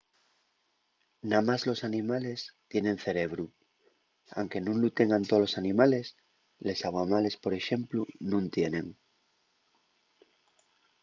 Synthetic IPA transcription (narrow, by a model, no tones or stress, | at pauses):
namazlo̞sanĩmale̞st̪je̞nẽ̞n̟θe̞ɾe̞β̞ɾu | a̰wŋke̞nũnlut̪e̞ŋɡant̪olo̞sanĩmale̞s | le̞saɣwamale̞spo̞ɾe̞ʃẽ̞mplunũnt̪je̞nẽ̞ŋ